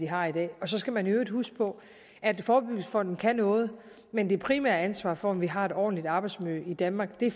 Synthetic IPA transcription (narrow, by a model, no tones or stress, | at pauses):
iɦɑ̈id̥ɛ̰ːɒ̽sɒ̽sɡ̥æmænøːd̥husɡ̥̚pʰɒ̽ | ʔæd̥fɒːb̥yɡ̥̩sfɒ̽n̰d̥n̩kʰænɔ̽ːð̞̩ˠ | mend̥e̝ɐpʰʁimæ̰ɐ̰ænsʋɑ̰̈ːfɒ̽ɒ̽mʋiɦɑ̈e̝ɾ̥ɒ̰ːdn̩lid̥ɑ̈ːb̥ɑ̈ɪdsmyid̥ænmɑ̈ːɡ̥d̥e̝